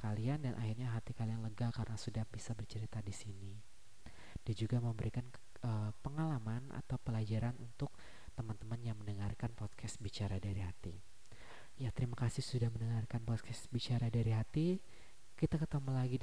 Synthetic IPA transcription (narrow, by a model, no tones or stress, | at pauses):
kaliandanʔa̰hirɲaɦat̪ikalianləɡakaɾənasudahbisabərt͡ʃəɾit̪adisini | d̥iad͡ʒuɡaməmbəɾikan | əpəŋalamana̰t̪awpəlad͡ʒaɾanunt̪ʊk̚ | t̪əmant̪əmanjaŋməndəŋarkanpɔt̪̚kʰɛst̪bit͡ʃaɾadaɾiɦat̪i | jat̪əɾimakasɪhsudahməndəŋarkanpɔt̪̚kʰɛsbit͡ʃaɾadaɾiɦat̪i | kit̪akət̪əmulaɡi